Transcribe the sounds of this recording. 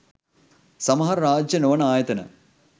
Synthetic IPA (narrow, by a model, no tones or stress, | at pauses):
sɐmɐɦɐrɾaːd͡ʑjɐnoːɳaːjɐt̪ɐnɐ̰